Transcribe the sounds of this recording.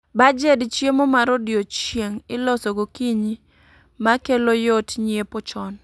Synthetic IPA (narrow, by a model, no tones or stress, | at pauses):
bad͡ʒɛdt͡ʃjemomaɾodjot͡ʃjeŋɪlɔsɔɡokiɲi | makelojotɲiepot͡ʃɔn